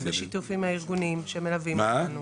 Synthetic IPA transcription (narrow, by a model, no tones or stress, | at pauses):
zeʃit̪ufimhaiʁɡunimʃemelavimmanu